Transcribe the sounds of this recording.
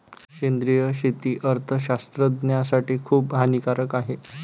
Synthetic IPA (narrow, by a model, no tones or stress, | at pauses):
kend̪ɾijəɕet̪iːʔəɾt̪ʰəɕast̪ɾəd̪njasaʈiːkʰuːpɦanikaɾəkaɦe